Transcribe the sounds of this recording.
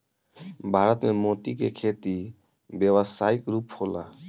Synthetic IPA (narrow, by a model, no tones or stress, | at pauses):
bʱaɾɔt̪memot̪ikekʰet̪i | bɛbasaikɾuphola̰